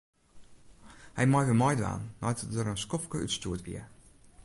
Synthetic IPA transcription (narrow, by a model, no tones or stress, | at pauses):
hɛjmɔjʋəmɔjdʋa̰ːnnɔjtdəɾənskɔfkəʔytstuːətʋḭə